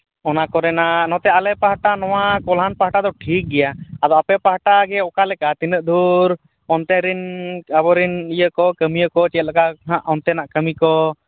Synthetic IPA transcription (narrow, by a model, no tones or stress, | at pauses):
ɔnakɔɾɛnaʔnɔt̪ɛalɛpaɦaʈanɔwakɔlɦanpaɦʈad̪ɔʈʰik̚ɡɛjaad̪ɔapɛpaɦʈaɡɛɔkalɛkat̪inəʔ̚d̪ʱuɾ | ɔnt̪ɛɾinabɔɾinijəkɔkəmijəkɔt͡ʃɛt̪̚lakaɦãʔɔnt̪ɛnaʔkəmikɔ